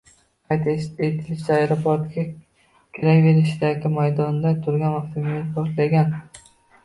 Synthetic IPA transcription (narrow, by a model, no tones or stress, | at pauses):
qʰɑjt̪ʰeet̪ʰɪlɪʃt̪aajɾapʰoɾt̪kʲa | kʲʰeɾakʲve̞ɾɪʃɪd̪aɡʲɪmajd̪ɒnd̪at̪ʰʊɾɡʲanaft̪ʰemjet̪bɒʃlaɡʲan